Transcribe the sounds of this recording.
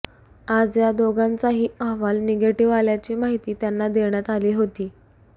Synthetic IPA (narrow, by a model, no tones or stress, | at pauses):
ad͡zjad̪oɡant͡saɦiːəɦʋalneɡeʈiʋaljat͡ɕiːmaɦit̪iːt̪janːad̪eɳjat̪aliːɦot̪iː